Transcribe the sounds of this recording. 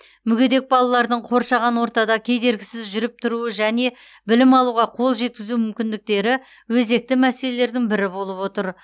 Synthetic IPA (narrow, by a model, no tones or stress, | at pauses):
mʏɡʲe̞d̪e̞k̚bɑlˠɑlˠɑɾd̪əɴqʰo̞ɾʃɑʁɑnwo̞ɾt̪ɑd̪ɑkʲʰe̞jd̪e̞ɾɡʲɪsɪzʒʏɾɪp̚t̪ʰʊɾuəʒæne̞ | bɪlɪmɑlˠuʁɑqʰo̞lˠʒe̞t̪̚kʲɪzumʏmkʲɪnd̪ɪk̚t̪e̞ɾɪ | wɵze̞k̚t̪ɪmæse̞le̞le̞ɾd̪ɪŋbɪɾɪbo̞lˠəpwo̞t̪əɾ